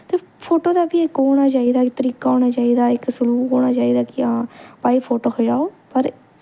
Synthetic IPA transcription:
t̪eːpʰoːʈoːd̪aːbiːɪkɦoːɽ̃aːt͡ʃaːiːd̪aːkɪt̪əɾiːkaːɦoːɽ̃aːt͡ʃaːiːd̪aːɪksəluːɦoːɽaːt͡ʃaːiːd̪aːkɪãːpaːiːpʰoːʈoːkʰəd͡ʒaːoːpəɾ

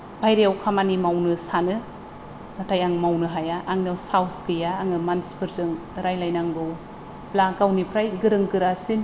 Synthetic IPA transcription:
bʰʱajɾejawkʰamanimawnɯsanɯ | natʰajaŋmawnɯɦajaʔːŋnawsawsɡɯjaːŋɯmanspʰɯɾzɯŋ | ɾajlajnaŋɡɯw | plaɡawnipʰɾajɡɯɾɯŋkɯɾasin

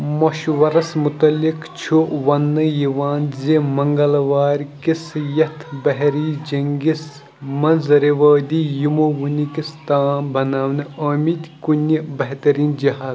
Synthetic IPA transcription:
mɐʃʋɐɾɐsmut̪ɐlːikt͡ʃʰuʋɐnːɐjiʋaːnzemɐŋɡɐlʋaːɾkisjɐt̪ʰbɐɦɾiːd͡ʒɐŋɡis | mɐnzɐɾiʋɐːd̪ijimoʋunikist̪aːnbɐnaːʋnɐːmit̪ʲkunibɐɦt̪ɐɾiːnd͡ʒiɦaːz

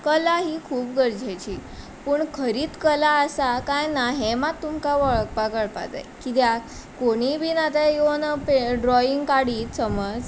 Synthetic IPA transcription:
kəlaɦiːkʰuːp̚ɡəɾd͡ʑʱajt͡ɕiː | pəːɳkʰəɾiːt̪kəlaəsakajnaɦemat̪ːumkaʋəɭk̚pakəɭpa̰t̪a̰jkit̪̬ja | koɽ̃ibʱiːnat̪ajenəpeɖɾɔiŋɡkaɽiːt̪səməd͡z

